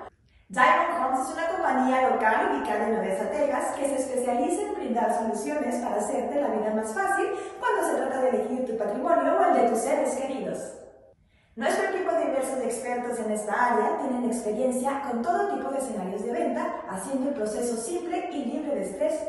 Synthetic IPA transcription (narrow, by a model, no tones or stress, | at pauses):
dajmakomsesunako̞mpaɲialo̞kalind̪ikaðaenlaðestat̪eɣaske̞seːspe̞sjalisembɾind̪aɾsolusjo̞ne̞spaɾaːse̞ɾt̪elaβiðamasfasilkwand̪ose̞t̪ɾat̪aðele̞xiɾt̪upat̪ɾimo̞njoenld̪et̪useɾeskeɾiðos | noespoɾkepoðiβeɾsosekspeɾt̪ose̞ne̞st̪aaɾjat̪je̞nene̞kspeɾje̞nsjako̞nt̪o̞ðot̪ipo̞ðese̞naɾjo̞zðe̞β̞e̞nt̪aːsje̞nd̪oelpɾo̞se̞so̞simple̞iliβɾe̞ðest̪ɾes